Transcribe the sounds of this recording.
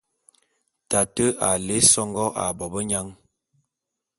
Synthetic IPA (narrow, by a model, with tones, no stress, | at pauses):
ta˨tə˦ʔa˨le˦sɔ˦ŋɡɔ˦ʔa˨bɔ˨bə˦ɲa˦ŋ